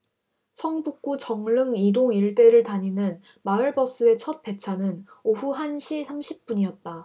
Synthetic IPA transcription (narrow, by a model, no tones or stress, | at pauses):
sʰʌŋbuk̚k͈ut͡ɕʌŋɭɯŋidoŋiɭt͈e̞ɾɯɭtaɲinɯn | maɯɭbʌs͈ɯe̞t͡ɕʰʌt̚p͈e̞t͡ɕʰanɯn | oɸuɦanɕʰisʰamɕʰip̚p͈uɲijʌt̚t͈a